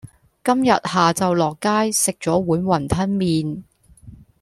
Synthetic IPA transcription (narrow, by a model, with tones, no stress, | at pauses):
kɐ˥mjɐ˨t̚haː˨t͡sɐ˨wlɔː˨kːaː˥jsɪ˨k̚t͡ʃɔː˨˥wuː˨˥nwɐ˨˩nt̪ʰɐ˥nmiː˨n